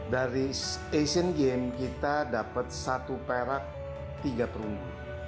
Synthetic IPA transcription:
daɾiesənɡemkit̪adapət̪̚sat̪upeɾak̚ | t̪iɡapəɾundu

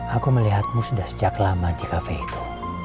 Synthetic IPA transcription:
akuməliɦat̪̚musdahsə̥d͡ʒakalamadikafɛit̪u̥

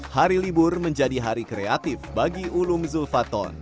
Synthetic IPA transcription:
haɾilibʊrməɲd͡ʒadiɦaɾikɾeat̪ɪfbaɡiʔulumzulfat̪ɔ̰n

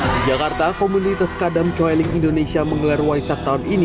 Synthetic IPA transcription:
d͡ʒakart̪akomunit̪askadamt͡ʃɔjlɪŋindonesiaməŋəlarwajsak̚t̪aunini

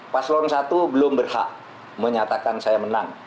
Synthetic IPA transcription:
paslonsat̪ubəlʊmbərha̰ʔ | məɲat̪akansajaməna̰ŋ

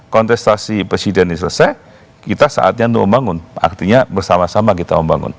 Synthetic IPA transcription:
kɔnt̪ɛst̪asipɾesidɛnisələsaj | kit̪asa̰ʔa̰t̪̚ɲaunt̪ʊk̚məmbaŋʊna̰rt̪iɲabərsamasamakit̪aməmba̰ŋʊ̰n

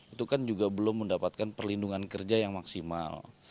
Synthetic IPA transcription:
it̪ukand͡ʒuɡabəlʊmːəndapat̪̚kanpərlinduŋankərd͡ʒajaŋmaksima̰l

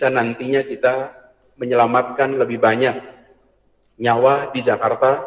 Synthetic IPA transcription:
anant̪iɲakit̪a | məɲəlamat̪̚kanləbɪhbaɲak̚ | ɲawadid͡ʒakart̪a

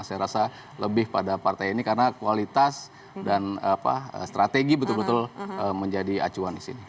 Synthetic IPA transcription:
sajaɾasa | ləbɪhpadapart̪ajinikarənakualit̪as | danapa̰ə̰st̪ɾat̪eɡibət̪ʊlbət̪ʊləməɲd͡ʒadia̰t͡ʃuandisḭni

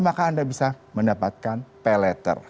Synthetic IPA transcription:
makaːndabisaməndapat̪̚kanpɛlɛt̪ə̰r

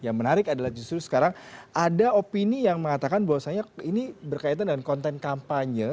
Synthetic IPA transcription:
jaŋmənaɾɪkadalahd͡ʒust̪ɾusə̥kaɾaŋʔadaopinijaŋməŋat̪akanbawasaɲainibərkait̪̬andəŋankɔnt̪ɛnkampaɲə

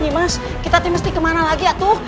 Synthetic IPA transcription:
ɲimas | kit̪at̪iməst̪ikəmanalaɡiaʔt̪ʊh

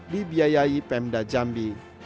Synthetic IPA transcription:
dibiajaipɛmdad͡ʒambi

